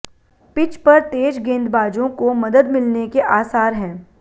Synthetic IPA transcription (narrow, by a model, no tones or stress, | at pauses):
pɪt͡ʃpɐɾt̪eːd͡ʒɡẽːnd̪baːd͡ʒõkomɐd̪əd̪mɪlnekeʔaːsaːɾɦɛ̃ː